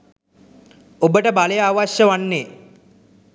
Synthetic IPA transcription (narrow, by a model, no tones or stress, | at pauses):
obəʈəbaləjəaʋaɕjəʋanːe